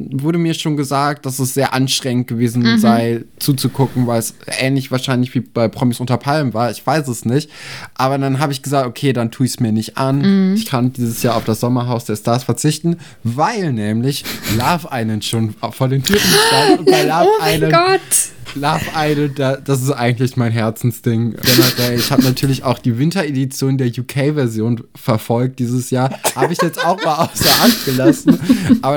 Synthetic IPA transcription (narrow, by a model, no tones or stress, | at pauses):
vʊɐɾəmiːɐʃoːnɡəzaːk̚t̚d̥asɛsz̥eːɐʔanʃtʁ̥ɛŋənt̚ɡ̥əveːzn̩zaɪt͡suːt͡sukʰʊkŋ̩vaɪlɛsʔɛːnlɪçv̥aːɐʃaɪnlɪçv̥iːb̥aɪpʁ̥ɔmisʔʊntɐpʰalmvaːɐɪçv̥aɪsɛsnɪçtʔaːbɐdanɦaːbəɪçɡ̥əzaːktokʰeːdantʰuːɪçsmiːɐnɪçtʔanɪçkʰandiːzəsjaːɐaʊfd̥asz̥ɔmɐɦaʊsd̥eːɐstaːsfɛɐt͡sɪçtn̩ | vaɪlnɛːmlɪçlaːfʔaɪnənʃoːnfoːɐdeːntʰyːtn̩bəʃtaəʊnbalaːfaɪnəɔtlaːfʔaɪnəd̥ad̥as̬ɪstʔaɪɡŋ̩tlɪçmaɪnɦɛɐt͡sn̩sd̥ɪŋɡ̥ɛnadɛɪçhaːbənatʰyːɐlɪçaʊxd̥iːvɪntɐedit͡sjoːndeːɐjuːkʰɛɪvɛɐzjoːn | fɛɐfɔlk̚t̚d̥iːzəsjaːɐhaːbəɪçjɛt͡staʊxmaːlaʊsd̥eɐʔant̚ɡ̥əlasn̩ʔaːbɐ